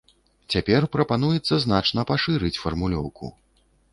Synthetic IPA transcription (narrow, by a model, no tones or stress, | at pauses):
t͡sʲapʲɛrpɾɐpan̪ujɛt̪sːɐznat͡ʂn̪ɐpaʂɨɾɨt͡sʲfɐrmulʲɔ̰wkṵ